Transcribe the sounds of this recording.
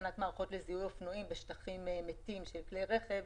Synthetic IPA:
nat̪maːʁχo̞t̪lezihulofnuimbeʃtaχimmetimʃelklejʁeχev

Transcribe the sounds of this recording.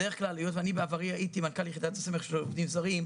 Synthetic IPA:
deʁeχklalijot̪vanibeavaʁiaʔit̪imankaljeχid̪at̪asemeχʃelovd̪imzaʁim

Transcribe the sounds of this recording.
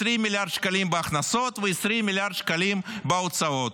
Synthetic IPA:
ɾimʲiljaɾd̪ʃkalimbeaχnasot̪veesɾimʲilʲjaɾd̪ʃkalimbeosaot̪

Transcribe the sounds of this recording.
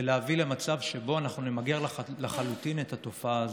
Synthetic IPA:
eleavilemat͡savʃebo̞anaχnunemaɡe̞ʁlleχalut̪inet̪ato̞faaːz

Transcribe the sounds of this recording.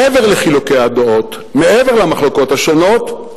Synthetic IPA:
eveʁleχilokead̪oot̪ | meʔeve̞ʁlamaχloko̞t̪haʃono̞t

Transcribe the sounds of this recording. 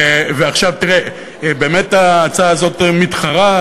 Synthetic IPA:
veaχʃavt̪iʁe | beːmetaːt͡saaːzo̞t̪mit̪χaʁa

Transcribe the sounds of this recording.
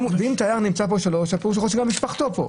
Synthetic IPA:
mveimt̪ajaʁnimt͡sap̬o̞ʃalo̞ʃapuʃxoʃeɡamːiʃpaχt̪o̞po̞̰

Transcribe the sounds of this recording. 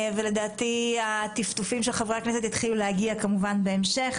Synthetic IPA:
vele̞daːt̪iat̪ift̪ufimʃelχavʁaknes̬et̪it̪χilulehaɡiakamuvanbeemʃe̞χ

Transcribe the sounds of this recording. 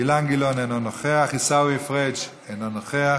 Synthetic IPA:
ilaŋɡilonenonoχeaχisawiefʁed͡ʒ | enonoχea

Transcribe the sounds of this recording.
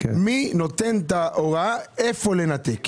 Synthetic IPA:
minot̪ent̪aoɣaefolenat̪ek

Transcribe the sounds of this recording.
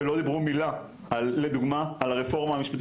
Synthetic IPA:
elo̞d̪ibʁumila | alːed̪uɡmaːlaʁefo̞ʁmaamiʃpat̪

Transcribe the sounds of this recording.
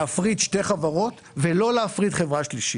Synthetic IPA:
afʁid̪ʃteχavaʁo̞t̪ | velo̞leafʁid̪χevʁaʃliʃi

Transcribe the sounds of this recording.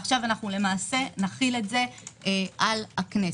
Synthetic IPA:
χʃavanaχnule̞maːse̞naχile̞tze̞eʔalhakne

